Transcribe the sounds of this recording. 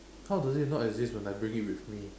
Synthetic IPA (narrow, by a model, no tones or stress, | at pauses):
hawdɔzit̚nɔtɛzdiswɛ̃naɪbɹĩŋit̚wiθmi